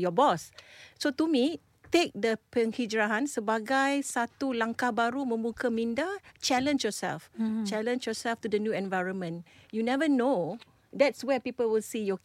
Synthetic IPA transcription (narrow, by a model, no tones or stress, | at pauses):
jɔbɔssot̪umi | t̪ek̚dəpə̃ŋhid͡ʒɹaɦãnsəbaɡajsat̪ulãŋkahbaɾumə̃mbukamĩndat͡ʃɛlə̃nd͡ʒjɔsɛ̰lft͡ʃɛlə̃nd͡ʒjɔsɛlftudənjuɛ̃nvajɹə̃nmə̃njunɛvəno | dɛtswɛpipəlwilsijɔ